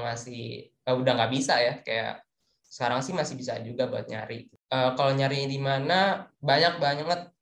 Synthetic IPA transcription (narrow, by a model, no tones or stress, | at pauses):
masɪh | əudaŋɡaʔbisajakaja̰ʔ | sə̥kaɾaŋsɪhmasɪbisa̰d͡ʒuɡabua̰t̪̚ɲa̰ɾi | əːkaloɲaɾiɲadimanabaɲak̚baɲaŋət̪̚